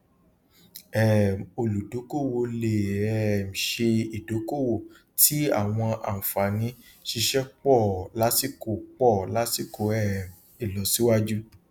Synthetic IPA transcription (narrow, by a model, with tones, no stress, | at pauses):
ɛ˨mo˨lu˨do˨˦ko˦˨wo˧le˨ɛ˨m̩˨ʃe˧i˨do˨˦ko˦˨wo˨ | tʰi˦a̰˦˨w̃ɔ̃˧a̰˨n̩˨fa˨nĩ˨˦ | ʃi˧ʃɛ˦k͡pɔ˦˨la˦si˦˨ko˨k͡pɔ˦˨la˨˦si˦˨ko˨ɛ˦˨m | i˨lɔ˨si˦wa˦d͡ʒu˦